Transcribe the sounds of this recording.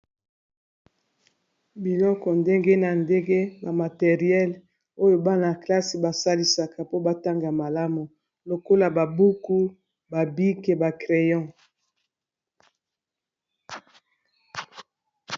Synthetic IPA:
bi˨lɔ˦kɔ˨nde˦ŋɡe˦na˨nde˦ŋɡe˦ba˨ma˨te˨ʁi˨ɛ˦l | o˦jo˨ba˦na˨kla˦si˨ba˨sa˦li˦sa˨ka˨po˦ba˨ta˦ŋɡa˨ma˨la˦mu˨ | lo˨ko˦la˨ba˨bu˦ku˦ | ba˨bi˦ke˨ba˨kʁe˨jɔ̃˦

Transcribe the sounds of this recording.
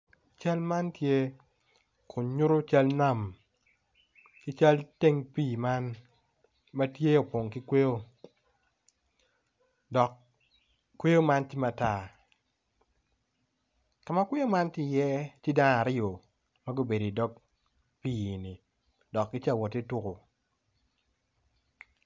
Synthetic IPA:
t͡ʃa˦lma˦ntje˦ | kʰʊ˨ɲu˦ɾo˦t͡ʃa˦lna˦˨m | kɪ˦t͡ʃa˦lte˦ŋpiː˦˨ma˦n | mɐ˦tje˦o˨pwo˨ŋkɪ˦kwe˦o˦ | dɔ˨k | kːwe˦jo˦ma˦nti˦ma˨ta˦˨ | ka˨ma˦kwe˦jo˦ma˦ntɪ˦˨jɛ˦ti˦da˦n˨a˨ɾɪ˦o˨ | ma˦ɡo˦be˨do˨i˨dɔ˦k̚ | pi˦˨ni˨ | dɔ˨kːɪ˦t͡ʃa˦˨wɔ˨te˦tu˦ko˨

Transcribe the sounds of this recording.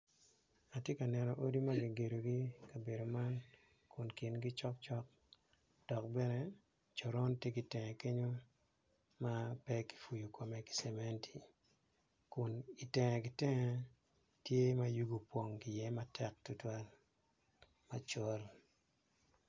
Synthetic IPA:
a˨tje˦ka˨nɛ˨nɔ˨ʔo˦di˦ma˦ɡi˨ɡe˨ɾo˨ɡi˦ka˨be˨do˨ma˦n | kʊ˨nkɪ˨nɡi˦t͡ʃɔ˦k̚t͡ʃɔ˦k̚ | d̥ɔ˨k̚bɛ˦nɛ˨ | t͡ʃo˨ɾɔ˦ntje˦ɡi˨tɛ˨ŋɛ˨ke˦ɲo˦ | ma˦pɛ˦ki̥˨fu˨ju˨kɔ˨mɛ˦ki̥˨sɛ˨mɛ˦nti̥˨ | kʊ˨ni˨tɛ˨ŋɛ˨ɡi˨tɛ˦ŋɛ˨ | tje˦ma˦ju˦ɡu˨pwo˨ŋki˨jɛ˦ma˦tʰɛ˦k̚tʊ˦twa˦l | ma˨t͡ʃɔ˦l

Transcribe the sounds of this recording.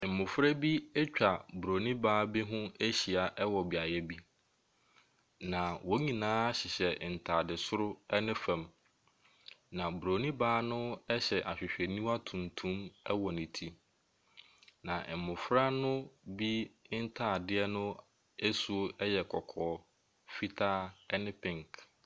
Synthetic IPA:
m̩˨mʊ̃˨fɾa˦bi˦ɛ˦t͡ɕᶣa˨bu˨ɾo˨nĩ˦baː˦bi˦ɦʊ̃˦e˦ɕi˨a˨ʔɛ˦wɔ˨bi˨a˨jɛ˦bi˦ | nã˨wo˦ɲĩ˨nãː˦a˦ɕɪ˨ɕɛ˨n̩˨tʰaː˨dɪ˨sʊ˦ɾʊ˦ɛ˦nɪ̃˦fã˨m | nã˨bɾo˨nĩ˦baː˦nʊ̃˦ɛ˦ɕɛ˨ʔa˨ɕᶣɪ˨ɕᶣɛ˨nĩ˦ma˦tʰũ˨ntʰũ˦mɛ˦wɔ˨nɪ̃˨tʰi˦ | nã˨mʊ̃˨fɾa˦nʊ̃˦bi˦n̩˦tʰaː˦˨dɪ˦ɛ˦nʊ̃˦ | ɛ˦su˨o˦ɛ˦jɛ˨kʰɔ˨kʰɔː˨˦ | fi˦tʰaː˦ɛ˦nɪ̃˦pʰɪ̃˦˨ŋk

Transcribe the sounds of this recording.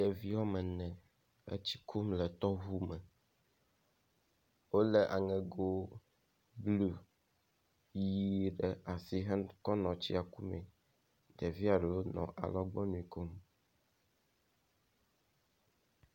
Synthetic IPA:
jɛ˨vi˦wɔ˦mɛ˨nɛ̃˨ | ḛ˦t͡ɕi̥˦kʰu˦mlɛ˨t̪ɔ˦ɦu˦mɛ˨ | wo˦lɛ˦˨ʔa˨ŋɛ̃˨ɡo˦ | blu˦ | ji˦˨ɖɛ˦a˨si˦ɦɛ˦kɔ˦nɔ̃˨t͡ɕi˦a˨ku˦mɛ̰̃˨ | d̪ɛ˨vi˦a˨ɖɛ˨wo˦nɔ̰̃˨ʔa̰˨lɔ˦ɡ͡bɔ˦nũ˦ĩ˨ko˦m

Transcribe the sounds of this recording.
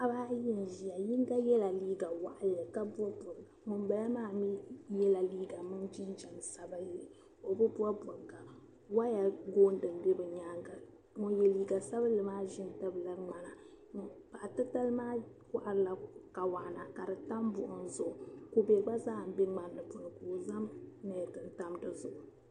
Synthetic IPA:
a˨baː˦jɪ˦n˨ʒi˨ja˨ji˦ŋ˦ɡa˦jɛ˦la˨liː˦ɡa˨wa˨ʔa˨lɨ˨ka˦bu˦ɔ˦bʊ˨ŋ˨ɡa˨ŋʊ˨mba˨la˦maː˦˨mi˦jɛ˦la˨liː˦ɡa˨mɨ˦nd͡ʒi˦n˦d͡ʒɛ˨n˨sa˦ba˦ji˦li˨ | o˨bɨ˦bu˦ɔ˦bʊ˨ŋɡa˨ | wa˦ja˨ɡoː˦n˦dɨ˨n˦de˦bɨ˨ɲaː˦ŋɡa˨ | ŋʊ˨jɛ˨liː˦ɡa˨sa˦βa˦lɨ˨maː˦ʒɪ˦n˨ta˦bɨ˨la˦ŋ͡ma˨na˨ | ŋ˨pa˨tɨ˦ta˦lmaː˦kʊ˦ʔa˨ɾɨ˦la˨ka˨wa˨na˨ka˨dɨ˨ta˦mbʊ˨ʔʊ˨n˦zʊ˦ʔʊ˨ko˦bɛ˨ɡ͡ba˦zaː˦˨m̩˨˦bɛ˦ŋ͡ma˨nː˨ɨ˨pʊ˨nɨ˨ko˨za˦mnɛ˨tɨ˨nta˦mdɨ˦zʊ˨ʔʊ˨

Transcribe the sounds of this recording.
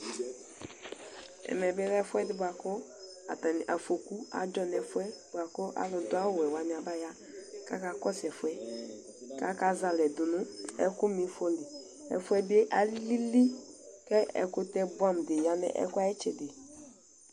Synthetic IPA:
ɛ̰˨mɛ˨bɪ˦lɛ˦fʊ˦ɛ˦dɪ˦bʊ˨a˨kʊ˦ | a̰˨ta˨n˨ʔa˨fo˨ku˦a̰˨d͡ʒɔ˦nɛ˨fʊ˦ɛ˦bʷa˨kʊ˦ʔa̰˨lɔ˨dʊ˦a˦wwɛ˨wa˨nɪ˨a˨ba˦ja˦ | ka˦ka˨kɔ˦sɛ˨fʊ˦ɛ˦ | ka˦ka˨za˨lɛ˨dʊ˨nʊ˦ɛ̰˦kʊ˦mi˨˦fɔ˦li˨ | ɛ̰˨fʊ˦ɛ˦bi˦e˦ʔa˨li˦li˦li˦kɛ˦ɛ̰˨kʊ˦tɛ˦bwa˦m˨dɪ˨ja˦nɛ̰˦ʔɛ̰˦kʊ˦a˦ɛ˦t͡ʃɛ˨dɪ˨

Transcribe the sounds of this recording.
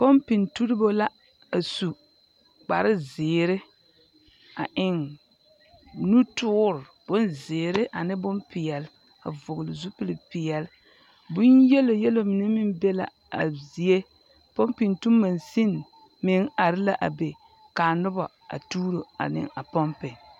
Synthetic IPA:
pɔ˦mpi˨ntu˦ɾɪ˦bo˦la˦ | a˨su˨ | k͡pa˨ɾɪ˦zɪː˨ɾɪ˦ | a̰˨ʔɪ˨ŋ | nu˦tʊː˦ɾɪ˨ | b̥ʊ˦nzɪː˨ɾɪ˦ʔa˨nɪ˦bʊ˦npɪ˨jɛ˨l | a̰˨vʊ˨ɣʊ˨lɪ˨zu˦pɪ˦lɪ˨pɪ˨jɛ˨l | bʊ˦njɛ˦lo˨jɛ˦lo˦mɪ˨nɛ˦mɪ˦nbɛ˦la̰˨ | a˨zi˨e˦ | pɔ˦mpɪ˨ntu˦mːa˨nsi˦n | mɪ˦ŋa˨ɾɪ˦la˦ʔa̰˨be˨ | ka˨nʊ˦bɔ˨ | a̰˨tuː˦ɾo˨a̰˨nɪ̰˦a˨pɔ˦mpɪ˨ŋ

